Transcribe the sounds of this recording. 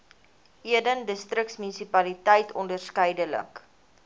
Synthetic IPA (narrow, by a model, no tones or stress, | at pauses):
iədəndəstrəktsmynisipɐlitəjtʰɔndərskəjdələ̰k